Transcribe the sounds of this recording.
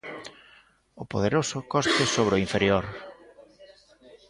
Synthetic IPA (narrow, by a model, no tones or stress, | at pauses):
ʊpoðeɾosʊkɔst̪ɪsoβ̞ɾoiɱfeɾjoɾ